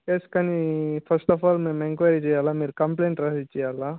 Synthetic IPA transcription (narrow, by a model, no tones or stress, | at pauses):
eskaːnipʰɐɾsʈɔfaːlmeːmeŋkʋaːɾit͡ʃɛːjaːlaːmiːɾukɐmpleːɳʈɾaːit͡ʃːɛjaːlaː